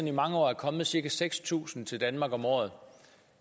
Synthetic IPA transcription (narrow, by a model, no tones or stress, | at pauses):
nimɑ̈ŋəɒ̰ːæɐkʰɒ̽mð̩ˠsiɐkæseɡ̥st͡sʰṵːsn̩t͡sʰe̝ld̥ænmɑ̈ːɡ̥ɒ̽mɒ̰ːð̩ˠ